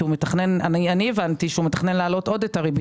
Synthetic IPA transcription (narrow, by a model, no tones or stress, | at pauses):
umetaχne̞nanianievant̪iʃeumet̪aχnenlaːlo̞to̞d̪etaʁib